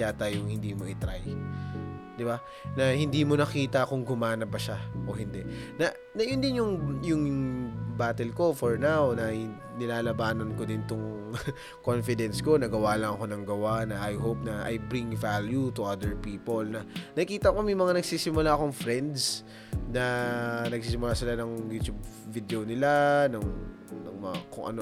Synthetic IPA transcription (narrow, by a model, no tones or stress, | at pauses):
aːt̪ajoŋhɪnd̪iːmo̞ʔɪt̪ɾa̰j | d̪ɪba | nɐhɪnd̪iːmo̞nɐkiːt̪ɐkʊŋɡʊmaːnɐbɐʃaʔohɪnd̪ɛʔnɐ | nɐjʊnd̪ɪnjʊŋjʊŋbaːt̪ɛlko̞fɔɹnawnɐ | nɪlaːlɐbaːnonkod̪ɪnt̪ʊŋ | konfɪd̪ɛnsko̞nɐɡɐwaːlɐŋɐko̞nɐŋɡɐwanɐʔːjɦowp̚nɐʔa̰jbɾiŋvaljut̪ʊad̪ɛɹpiːpolnɐnɐkiːt̪ɐkomɐjmɐŋanɐɡsiːsɪmʊlaɐkoŋfɾɛnd̪s | nɐnɐɡ̚s̬iːsɪmʊlasɪlanɐŋjuːt̪jubvid̪eonɪlanɐŋ | nɐŋmɐakoŋʔɐ̰no